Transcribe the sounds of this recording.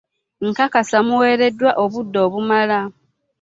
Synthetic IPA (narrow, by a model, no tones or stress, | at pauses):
ŋ̩kakasamuwe̞ːɾe̞dːwaʔoβudːo̞ːβumala